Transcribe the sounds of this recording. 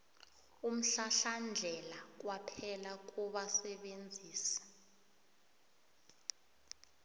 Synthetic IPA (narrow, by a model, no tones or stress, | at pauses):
um̩ɬaɬand͡ɮʱɛlak̬ʼwapʰɛlak̬ʼuɓasɛɓend͡zʱiːsɛ̥